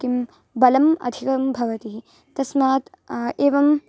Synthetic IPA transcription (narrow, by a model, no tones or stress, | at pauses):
kim | bɐlɐmɐ̰d̪ʱikɐmbʱɐʋɐt̪iɦi | t̪ɐsmaːt̪ | eːʋɐm